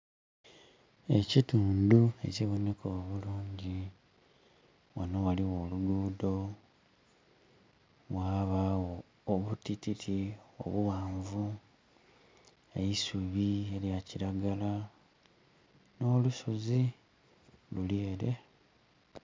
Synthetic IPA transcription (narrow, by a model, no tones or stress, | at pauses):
e̞cituːndue̞̰ciβo̞ne̞koːβuluːɲɟi | wanowaliwo̞luɡuːdo̞ | waβawoː | βutititʰio̰βuwaːɱvu | ejisuβie̞ljaciɾaɡala | no̞ːlusozi | luleːɾe̞